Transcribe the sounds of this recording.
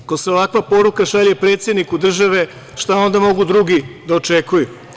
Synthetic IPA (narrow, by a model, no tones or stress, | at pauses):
koseoʋakʋapo̞ɾukaʃaʎepɾet̪se̞d̪nikud̪r̩ʒaʋe̞ | ʃt̪ao̞nd̪amo̞ɡud̪ɾuɡid̪aot͡ʃekuju